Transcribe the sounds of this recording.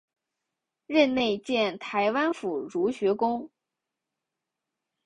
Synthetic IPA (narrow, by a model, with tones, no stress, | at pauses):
ɻə˥˧nne˥˧ɪt͡ɕjɛ˥˩nt̪ʰa˧˥ɪwa˥nfu˨˩ɻu˧˥ɕɥɛ˧˥kʊ˥ŋ